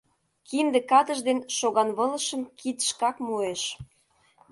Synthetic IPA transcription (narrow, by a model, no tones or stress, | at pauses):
kimd̪ĕkɑt̪əʒd̪enʃoɣɑnβɤ̆lə̆ʃə̆mkit̪ʃkɑkmoeʃ